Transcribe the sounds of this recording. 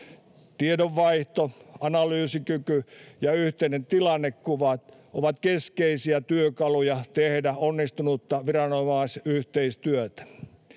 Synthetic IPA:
t̪iedoʋʋɑiht̪oɑnɑlyːsikykyjɑyht̪einent̪ilɑnːekkuʋɑt̪ʔoʋɑt̪keskeisiæt̪yøkɑlujɑt̪ehdæonːist̪unut̪ːɑʋirɑnomɑˑsyht̪eist̪yøt̪æ̥

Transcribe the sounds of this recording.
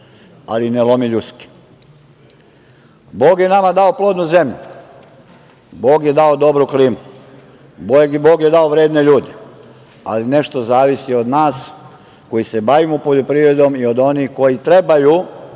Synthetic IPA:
a̰linelo̞miʎut̪ski̥ | bo̞ːɡjenamad̪ao̞plˠo̞ːd̪nuze̞mʎu | bo̞ːɡje̞d̪ao̞d̪o̞bɾukɾimu | bboːɡjed̪aoʋɾeːd̪ne̞ʎuːd̪e | a̰line̞ʃt̪o̞zaːʋisio̞d̪naːs | ko̞jise̞baʋimupo̞ʎo̞pɾiʋɾed̪o̞mio̞d̪o̞nixko̞jit̪ɾe̞baju

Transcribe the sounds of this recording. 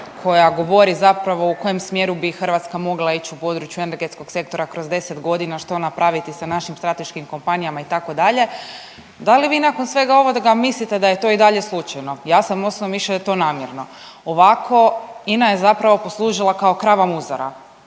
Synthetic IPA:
kʰo̞jaɡo̞ʋo̞ɾizapɾaʋo̞uko̞je̞msmje̞ɾubixr̩ʋat̪skamo̞ɡlˠait͡ʃiupo̞d̪ɾut͡ʃjueneɾɡe̞t̪sko̞ɡ̥se̞k̚t̪o̞ɾakɾo̞zd̪e̞set̪ɡo̞d̪inaʃt̪o̞napɾaʋit̪isanaʃimst̪ɾat̪e̞ʃkimko̞mpanijamait̪ako̞d̪aʎe̞ | d̪aliʋiːnako̞nsʋe̞ɡao̞ʋo̞d̪aɡamislit̪ed̪ajet̪o̞id̪aʎeslˠut͡ʃajno̞jaːsamosnoʋiʃet̪o̞naːmjeɾno̞ | oʋakʰo̞inaje̞zapɾaʋo̞po̞slˠuːʒilˠakao̞kɾaʋamuzaɾa̰

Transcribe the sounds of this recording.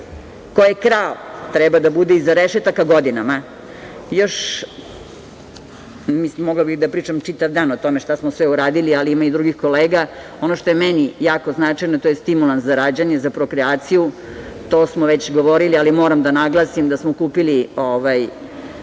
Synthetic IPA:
kojekɾalt̪ɾɛbad̪abud̪eizaɾeʃet̪akaɡo̞d̪inama | jo̞ʃ | mismoɡlabixd̪apɾiːt͡ʂamt͡ʂit̪aʋd̪aːnot̪o̞me̞ʃt̪asmosʋeuɾaːd̪ilialiimaid̪ɾuɡixkoleːɡa | o̞noʃt̪o̞jemenijaːko̞znat͡ʂajnot̪ojest̪imulˠanszaɾaːd͡ʑaɲezapɾo̞kɾɛaːt̪siju | t̪o̞ːsmoʋet͡ɕɡo̞ʋoɾilialimoɾamd̪anaɡlˠasimd̪asmokuːpilioʋaj

